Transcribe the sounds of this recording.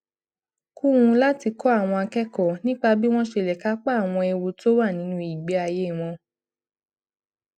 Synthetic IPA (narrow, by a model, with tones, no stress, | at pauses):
ku˦wũ˧la˦ti˧kɔ˦a˦˨w̃ɔ̃˧a˧kɛ˦kɔ˨nĩ˦k͡pa˧bi˦w̃ɔ̃˦ʃe˧˨lɛ˨ka˦k͡pa˦a˨w̃ɔ̃˧ɛ˧wo˧to˦wa˦˨nĩ˨˦nũ˧˦i˨ɡ͡bɛ˨˦a˧je˦˨w̃ɔ̃˧